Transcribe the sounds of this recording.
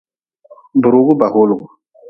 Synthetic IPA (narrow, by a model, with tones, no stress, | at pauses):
bʊ˨ɾo˨ɡʊ˦ba˨ho˦lɡʊ˨